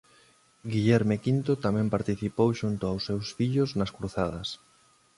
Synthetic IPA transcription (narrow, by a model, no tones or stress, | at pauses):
ɡiʎɛɾmekint̪ot̪amɛ̃mpaɾt̪iθipowʃunt̪ʊawsːewsfiʎʊznɐskɾuθað̞ɐs